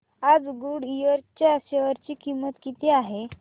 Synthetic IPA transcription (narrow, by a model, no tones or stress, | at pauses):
ad͡zɡuɽijəɾt͡ɕjaəɕeʋəɾt͡ɕiːkimət̪kit̪iaɦe